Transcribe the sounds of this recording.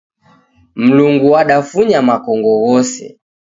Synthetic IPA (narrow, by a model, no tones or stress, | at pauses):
m̩luŋɡuaɗafuɲamakɔŋɡɔɣɔsɛ̰